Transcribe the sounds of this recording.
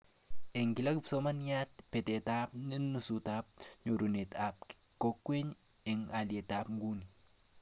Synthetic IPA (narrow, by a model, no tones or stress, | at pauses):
eŋkilakpsomanjat̚petetapninusutap̚ɲoɾunetap̚ | kokːweɲ | eŋaljetapŋɡuni